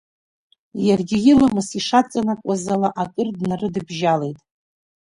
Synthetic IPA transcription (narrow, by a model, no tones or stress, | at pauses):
jarɡʲɪjɪlamɨsiʂat͡sʼanakʷʼazalaʔakʼɨrdnarɨdɨbʒale̞jtʼ